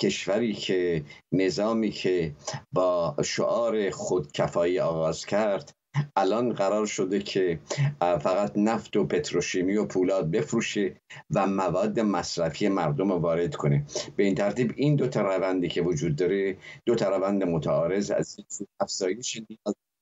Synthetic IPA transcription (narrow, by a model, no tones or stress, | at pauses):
cʰe̞ʃvæɾiːcʰe̞ne̞zɒːmiːkʰe̞bɒːʃo̰ʔɒːɾe̞xod̪cʰæfɒːiːɒːɣɒːz̥cʰæɾd̪̥ | ʔælɒːnɢæɾɒːɾʃo̞d̪e̞cʰe̞ | fæɣæt̪næft̪o̞pʰe̞t̪ʰɾoʃiːmiːopʰuːlɒːd̪̚be̞fɾuːʃe̞væmævɒːd̪ːe̞mæsɾæfijemæɾd̪o̞movɒːɾe̞d̪̥kʰo̞ne̞b̥e̞iːnt̪ʰæɾt̪iːbind̪ot̪ʰɑɾævænd̪iːcʰe̞vod͡ʒuːd̪ːɒːɾe̞d̪̥ot̪ʰæɾævænd̪emot̪ʰæɒːɾe̞zæ̰zinsuːæfz̥ɒːje̞ʃenijɒːz